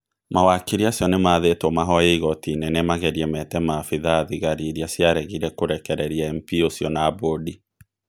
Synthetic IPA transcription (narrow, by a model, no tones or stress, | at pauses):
mawakiɾiasjɔnemaðetɔmaɦɔjeiɣɔtinenɛmaɣɛɾiɛmɛtɛmafiðaðiɣaɾiɾiasjaɾɛɣiɾɛkoɾɛkɛɾɛɾiaɛmpiosjɔnaːbodi